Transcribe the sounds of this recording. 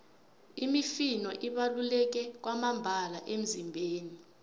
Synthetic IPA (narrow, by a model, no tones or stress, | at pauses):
imifinɔʔiɓalulɛk̬ɛk̬wamambʱalaʔem̩zimbʱeːni